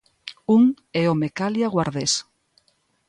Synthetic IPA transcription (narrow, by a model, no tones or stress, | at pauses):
uŋ | ɛomekaljaɣwaɾðes